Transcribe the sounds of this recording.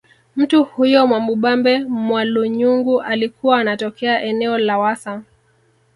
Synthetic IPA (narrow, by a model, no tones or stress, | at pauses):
m̩tuhujɔmwambuɓambɛmwaluɲuŋɡuʔalikuwaːnatɔkɛaʔɛnɛɔlawasa